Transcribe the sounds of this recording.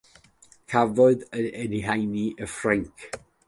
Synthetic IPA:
kʰavɔɨðəɛniɦajniʔəfraŋkʰ

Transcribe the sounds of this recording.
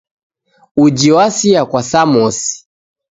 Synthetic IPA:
ud͡ʒiwasiakwasamɔsi̥

